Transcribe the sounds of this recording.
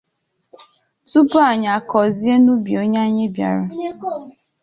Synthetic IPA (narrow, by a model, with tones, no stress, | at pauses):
tu˦pʊ˦a˨ɲa˨kɔ˨zi˦e˦nu˦bi˨o˦ɲa˦ɲe˦bja̰˨ɾʊ˦